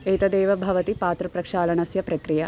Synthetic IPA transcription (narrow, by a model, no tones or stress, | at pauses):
eːt̪ɐd̪eːʋɐbʱɐʋɐt̪ipaːt̪ɾɐpɾɐkʂaːlɐɳɐsjɐpɾɐkɾijɐ